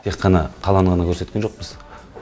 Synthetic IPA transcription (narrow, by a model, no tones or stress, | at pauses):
t̪ʰe̞qʰːɑnɑqʰɑlˠɑɴʁɑnəkʲʰɵɾsekʲenʒo̞q̚pəz̥